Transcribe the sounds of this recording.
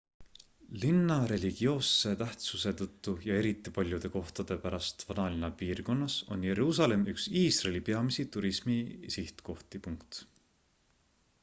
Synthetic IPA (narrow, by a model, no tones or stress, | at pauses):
linːɑɾe̞lʲiɡ̥io̞ːsːe̞t̪æht̪suse̞t̪ɤt̪ːujɑe̞ɾit̪ːˑipɑlʲjud̪̥e̞ko̞ht̪ɑd̪̥e̞pæɾɑst̪vɑnɑlinɑpiːrko̞nːɑso̞̰nje̞ɾuːsɑle̞mʔyksiːsrelipe̞ɑmisit̪uɾismisiht̪ko̞ht̪ipuŋkt̪